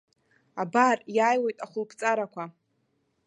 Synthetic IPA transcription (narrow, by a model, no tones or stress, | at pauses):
abarjaːjwojtʼaχʷʊlpʰt͡sʼaɾakʷʰa